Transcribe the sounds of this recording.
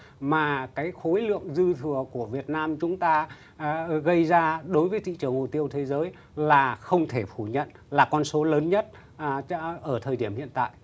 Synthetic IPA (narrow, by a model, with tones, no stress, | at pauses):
maː˨˩kaː˨˦jxo˨˦jlɨ̰˧˨əŋzɨ˧t̪ʰɨ˨˩əku˧˩əvi˨˩ət̚naː˧mt͡ɕʊ˨˦ŋ͡mt̪aː˧ | ɣə˧jzaː˧ɗo˨˦jvəː˨˦jt̪ʰḭ˧˨t͡ɕɨ˨˩əŋmo˨˩t̪i˧əwt̪ʰe˨˦zəː˨˦j | laː˨˩xə˧wŋ͡mt̪ʰe˧˩fu˧˩ɲə̰˧˨n | laː˨˩kɔ˧nso˨˦ləː˨˦nɲə˦˥t̚ | ʔəː˧˩t̪ʰəː˨˩jɗi˧˩əmhḭ˧˨ənt̪a̰ː˧˨jʔ